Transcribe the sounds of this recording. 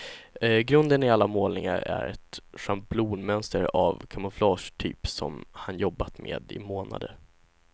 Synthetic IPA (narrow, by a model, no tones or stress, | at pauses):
ɡɾɵnd̪ənɪalːamoːlnɪŋaɾæ̰ɾɛt̪ʂampbluːnmɛnst̪əɾavkʰamʊflɑːʂʈʰyːpsɔmhanjɔbːat̪mḛːd̪ɪmoːna̰d̪ə